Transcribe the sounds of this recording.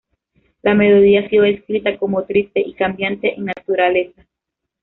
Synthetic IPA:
lame̞lo̞ðiasioeskɾit̪akomot̪ɾist̪eʔikambjant̪eʔeŋnat̪uɾale̞sa

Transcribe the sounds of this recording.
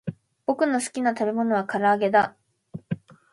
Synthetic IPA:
b̥o̞kɯ̟no̞sɨ̥kʲinat̪abe̞mo̞no̞β̞akaɾaːɡe̞d̪a

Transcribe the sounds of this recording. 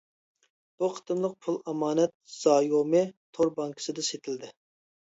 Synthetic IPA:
b̥uqʰə̥t̪ɨmlˠəq̚pʰulˠɑmɑːnɛt̪̚z̥ɑːjomɨt̪ʰːoɾbɑŋkʰə̥sɨd̪ɨset̪ʰɪld̪ɪ

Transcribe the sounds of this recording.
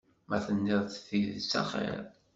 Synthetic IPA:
mæθənːiðˤθθiðsɑ̰χḛɾˤ

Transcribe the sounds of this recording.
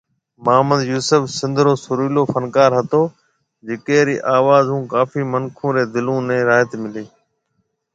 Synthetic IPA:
maːmə̃nd̪juːsəfsɪ̃nd̪ʱɾoːsʊɾuːloːfənkaːɾɦət̪oː | d͡ʒɪkeːɾḭːʔaːʋaːzɦũːkaːfiːmənkʰũːɾeːd̪ɪlũːnɛ̃ːɾaːt̪mɪleː

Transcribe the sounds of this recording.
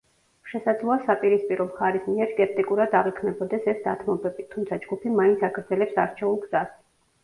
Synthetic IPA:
ʃɛsad̪zlˠɔasapʼiɾispʼiɾɔmχaɾismiɛɾskʼɛp̚t̪ʼikʼuɾad̪aʁikʰmɛbɔd̪ɛsɛsd̪at̪ʰmɔbɛbit̪ʰumt̪sʰad͡ʒɡupʰimaint̪sʰakʰɾd̪zɛlɛpsaɾt͡ʃʰɛulˠɡz̥as

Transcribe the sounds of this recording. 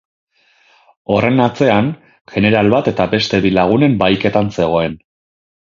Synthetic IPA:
o̞re̞nat͡se̞an | ʝ̥e̞ne̞ɾalβat̪e̞t̪abe̞st̪e̞βilaɣ̞une̞mbajke̞t̪anse̞ɣ̞o̞e̞n

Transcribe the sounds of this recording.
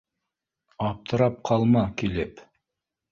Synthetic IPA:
ɑp̚t̪ʰɤ̆ɾɑp̚qʰɑlˠmɑkilɘp

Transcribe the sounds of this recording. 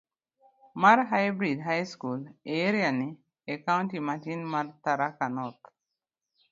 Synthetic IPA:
maɾɦajbɾidɦajskuleɾiani | ekawũntimatinmaɾt̪aɾakanɔt̪

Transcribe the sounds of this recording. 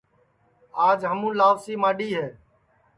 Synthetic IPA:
aːd͡ʒɦəmũːlaːʋsiːmaːɗiːɦeː

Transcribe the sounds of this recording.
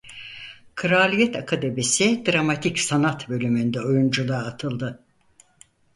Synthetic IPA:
kʰɯɾaːlʲijɛt̪ʰakʰad̪ebesid̪ɾamat̪ʰicsanat̪bø̞lʲymynd̪ɛojund͡ʒulˠaːt̪ʰɯlˠd̪ɯ

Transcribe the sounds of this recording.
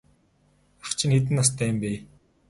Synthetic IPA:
awt͡ɕʰɪ̆nxet̪̬ɘ̆nːast̪ʰæːɪmpeː

